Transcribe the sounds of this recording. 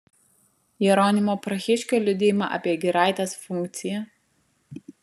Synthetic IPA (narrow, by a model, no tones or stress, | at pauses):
jiɾoːnʲɪmoːpɾɐxʲɪʃʲkʲoːlʲʊd̪ʲɪːjɪmɑ̰ːʔɐ̰pʲiɛɡʲɪɾɑˑɪt̪ʲesfʊŋʲkt̪sʲɪjɛ